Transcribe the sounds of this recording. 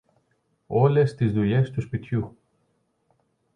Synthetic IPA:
o̞lest̪izðuʎe̞st̪uspit̪çu

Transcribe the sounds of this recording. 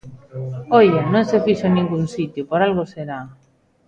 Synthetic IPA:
ojenõŋsefiʃonĩŋɡunsit̪jʊpoɾalɣoseɾa

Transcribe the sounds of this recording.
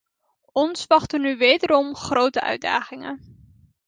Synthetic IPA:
ɔnsʋɑχtənyʋejdəɾɔmχrowtəʔœ̰ɥda̰ːχɪŋə̰n

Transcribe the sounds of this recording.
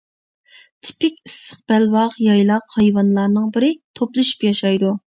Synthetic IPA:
t̪ʰɪ̥pɪkʲisə̥χ̚b̥ælwɑʁjɑjlˠɑqhɑjwɑnlˠɑɾnɨŋbɪɾɪt̪ʰoplˠɨʃy̥pjɑʃɑjd̪u

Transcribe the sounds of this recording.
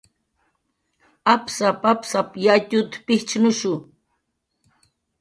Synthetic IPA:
apsapapsapjat̪ʊt̪pɪht͡ʃnʊʃʊ

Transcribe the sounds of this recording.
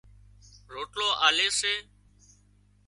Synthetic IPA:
ɾoːʈloːʔaːleːseː

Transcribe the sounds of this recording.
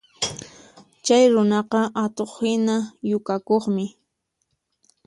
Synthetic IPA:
t͡ʃajɾʊnɑqɑʔat̪oχhɪnajʊkakoχmɪ

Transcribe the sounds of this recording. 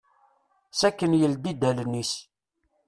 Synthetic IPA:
sækːənjəld̪id̪ælənːis

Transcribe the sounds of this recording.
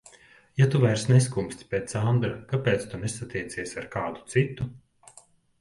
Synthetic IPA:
jat̪uvajɾsnes̬kumsʲt̪ʲpʲeːt̪sand̪ɾakapɛːt̪st̪unesat̪ʲiɛt̪siɛsʲaɾkaːd̪u̥t̪sit̪ːu

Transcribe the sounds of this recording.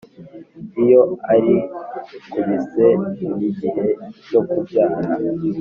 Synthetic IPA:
ijo̞aɾi | kuβize̞iɾiɟihe̞jo̞kubɟaːɾa

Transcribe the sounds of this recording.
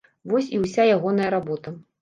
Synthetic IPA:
vɔsʲiwsʲajaɣɔnɐjɐɾabɔt̪ɐ

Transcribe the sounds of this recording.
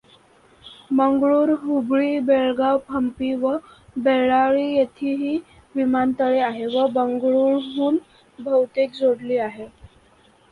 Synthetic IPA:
məŋɡɭuːɾɦubɭiːbeɭɡawpʰəmpiːʋəbeɭaɭiːjet̪ʰiːɦiː | ʋimant̪əɭeaɦeʋəbəŋɡɭuːɾɦuːn | bʱəwt̪ekd͡zʱoɽliːaɦe

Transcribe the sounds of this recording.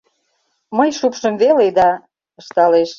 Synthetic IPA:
məjʃupʃə̆mβeled̪ɑ | ə̆ʃt̪ɑleʃ

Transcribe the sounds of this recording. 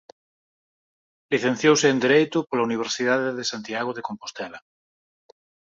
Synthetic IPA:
liθẽn̟θjowsɪːnd̪iɾejt̪ʊpolauniβ̞eɾsiðaðeðesant̪iaɣ̞oðekompost̪ɛlɐ

